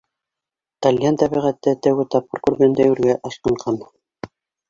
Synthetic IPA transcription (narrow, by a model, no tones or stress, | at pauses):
t̪ɑlʲjant̪æβiʁæt̪ːɘt̪æwɘt̪ɑp̚qɤɾkʉɾɡænd̪æjʉɾɡæʔɑslˠɑɴɢɑn